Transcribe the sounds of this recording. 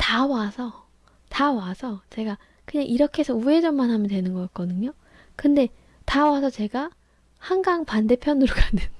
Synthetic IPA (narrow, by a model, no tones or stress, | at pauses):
tawasʰʌ | tawasʰʌt͡ɕe̞ɡa | kɯɲaŋʔiɾʌkʰe̞esʰʌue̞d͡ʑʌmanɦamjʌntwe̞nɯnɡʌt̚k͈ʌdɯɲo | kɯnde̞ | tawasʰʌt͡ɕe̞ɡa | haŋɡaŋpande̞pʰjʌnɯɾoɡanen